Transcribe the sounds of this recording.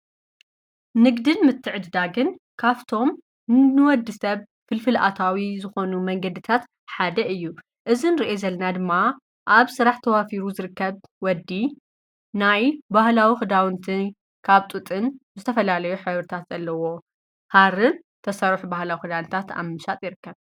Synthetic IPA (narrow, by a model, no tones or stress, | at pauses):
nɨɡd̪ɨnmɨt̪ʰːɨʕɨd̪d̪aɡɨn | kʰaft̪ʰo̞m | nɨwɔd̪ːɨsɐβ | fɨlfɨlʔa̰t̪ʰawizɨxo̞numɐŋɡɐd̪ɨt̪ʰat̪ | ħad̪ɐɨjːu | ʔɨzinɨɾiʔezɐlnad̪ɨmːa | ʔaβsɨɾaħt̪ʰɐwafiɾuzɨɾɨkːɐβwɔd̪ːi | najbahlawixɨd̪awɨnt̪ʰɨn | kʰaβt̪ʼɨt̪ʼɨnzɨt̪ʰɐfɐlalɐjuħɨβɾɨt̪ʰat̪z̥ɐlːɐwo̞ | haɾɨn | t̪ʰɐsɐɾħubahlawixɨd̪awnt̪ʰat̪a̰βmɨʃat̪ʼjɪɾɨkːɐβ